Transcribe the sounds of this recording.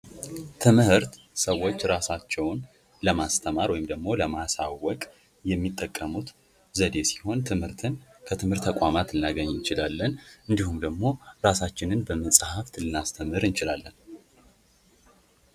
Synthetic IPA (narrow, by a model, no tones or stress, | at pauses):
t̪ʰɨmhɨɾt̪ | səwːo̞t͡ʃːɾasat͡ʃːɛwn | ləmast̪ʰəmaɾwɔjɪmd̪əɡmo̞ləmasawɔkʼ | jɛmːit̪ʼːəkʼːəmut̪ | zəd̪e̞si̥ho̞nt̪ʰɨmhɨɾt̪ʰɨnkʰət̪ʰɨmhɨɾt̪ʰːəkʼamat̪ɨnːaɡəɲːɨnt͡ʃɪlalːənʔɨnd̪ihumd̪əɡmo̞ɾasat͡ʃːɪnɨnbəməsʼhaft̪ʰɨlːɨnast̪ʰəmɨɾɨnt͡ʃɪlalːən